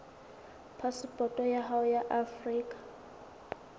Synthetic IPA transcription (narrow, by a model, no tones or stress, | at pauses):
pʰaspʼɔtʼɔjaɦaʊjaʔafriːkʼḁ